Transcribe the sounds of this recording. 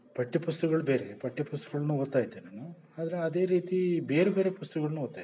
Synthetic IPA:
pɐʈːipɐst̪ɐɡɐɭubeːɾeepɐʈːipɐst̪ɐɡɐɭnuːoːt̪ːaːjid̪ːenaːnu | aːd̪ɐɾeɐd̪e̞ːɾiːt̪ibe̞ːɾebe̞ːɾe̞pɐst̪ɐɡɐɭnuːoːt̪ːaːj̪

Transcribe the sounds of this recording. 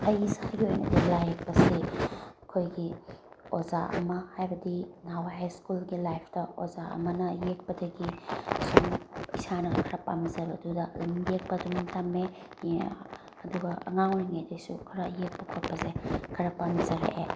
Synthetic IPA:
ɐjisakʰɐɡiojnɐ̰dulajek̚pɐsiɐkʰojɡioza̰ʔɐ̰mɐhajbɐdinawaɦajskulɡilajpʰtɐozaɐ̰mɐnɐjek̚pɐdɐɡisuŋisanɐkʰɐɾapamizɐbɐdudɐlɐmɡek̚pɐdumiŋtame | je | ɐduɡɐɐ̰ŋaŋajŋedesṵkʰɐɾajek̚pɐkʰot̚pɐzekʰɐɾɐpamizɐɾḛʔe

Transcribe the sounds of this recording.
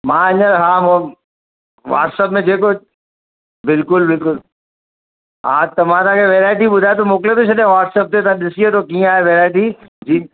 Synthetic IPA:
mãːɐɲəlɦaːmõ | ʋa̰ːʈsəbmẽd͡ʑeːko | bɪlkʊlbɪlkʊl | ɦaːt̪ɐm̤ãːɾãkʰeʋeːɾaːɪʈ̬iɓʊd̪ʱaːet̪omoːklet̪oʃʰɐɗẽʋaːʈsəp̚t̪et̪ãɗɪsiot̪okĩːə̃aːeʋeːɾaːɪʈid͡ʑiː

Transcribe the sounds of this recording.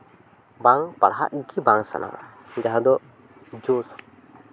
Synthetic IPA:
baŋpa̰ɽɦa̰ʔɡibaŋsa̰na̰ŋad͡ʒaɦãd̪ɔʔ | d͡ʒos

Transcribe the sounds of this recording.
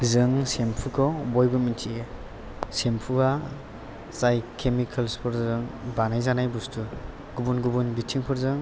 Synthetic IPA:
zɯŋsempʰukʰɔbɔjbɯmintʰi | sempʰua | sajkʰemikʰalspʰɔɾzɯŋbanajzanajbustʰu | ɡubunɡubunbitʰiŋpʰɯɾzɯŋ

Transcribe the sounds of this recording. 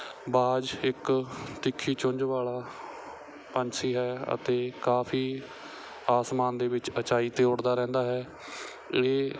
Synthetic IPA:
baːd͡ʒɪkt̪ɪkʰːiːt͡ʃʊɲd͡ʒʋaːɭaː | pənsiːɦɛːə̰t̪eːkaːpʰiː | aːsmaːnd̪eːbɪt͡ʃət͡ʃaːiːt̪eːʊɽd̪aːɾɛ̃ːnd̪aːɦɛː | ɪː

